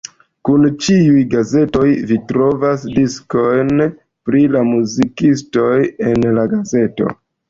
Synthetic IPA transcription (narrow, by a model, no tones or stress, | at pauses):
kunt͡ʃiujɡaze̞to̞jvitɾo̞vasdisko̞jn | pɾilamuzikisto̞je̞nlaɡaze̞to̞̰